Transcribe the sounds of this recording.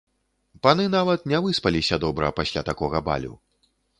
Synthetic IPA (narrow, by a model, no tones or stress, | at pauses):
panɨnavɐt̪nʲɛvɨspɐlʲisʲɐd̪ɔbɾɐpasʲlʲat̪akɔɣɐba̰lʲṵ